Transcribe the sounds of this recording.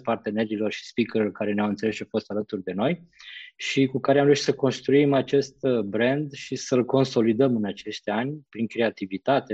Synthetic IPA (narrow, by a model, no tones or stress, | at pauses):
part̪e̞ne̞ɾilo̞rʃi̥spikəlorkaɾe̞neawɨnt̪sele̞sʃt͡ʃawfo̞st̪alət̪urd̪e̞no̞jʃikukaɾeamɾeuʃt̪səko̞nst̪ɾuimat͡ʃe̞st̪bɾe̞nd̪ʃisəlko̞nso̞lid̪əmɨnat͡ʃe̞ʃt̪ʲanʲpɾiŋkɾe̞at̪ivit̪at̪e̞